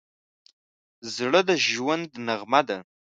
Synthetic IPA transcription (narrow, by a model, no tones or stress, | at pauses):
zɽɨdaʒwʊndnɨʁmada